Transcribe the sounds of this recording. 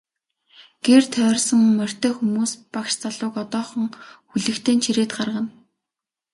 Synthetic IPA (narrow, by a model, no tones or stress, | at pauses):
ɡ̥eːrt̪ʰœːrʲsə̆ŋmœr̥ʲt̪œːxumuːspakʃt͡saɮʊːkɔt̪ɔːχɞ̆ŋxuɮɘ̆kt̪ʰeːnt͡ɕʰiɾeːt̪ɢarʁə̆n